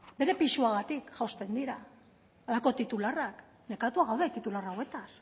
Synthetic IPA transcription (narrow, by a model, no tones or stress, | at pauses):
be̞ɾe̞piʃuaɣat̪ikʝawst̪e̞nd̪iɾaː | lako̞t̪it̪ularak | ne̞kat̪uaɣawðe̞t̪it̪ularawe̞t̪as